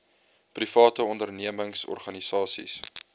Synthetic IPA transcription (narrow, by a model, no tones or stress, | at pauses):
prifɑːtəɔndərniəməŋsɔ̰rχɐnisɑːsḭs